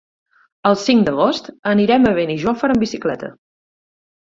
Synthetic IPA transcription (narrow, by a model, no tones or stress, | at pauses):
əlˠsiŋd̪əɣost̪əniɾɛməβ̞eniʒofəɾəmbisiklɛt̪ə̰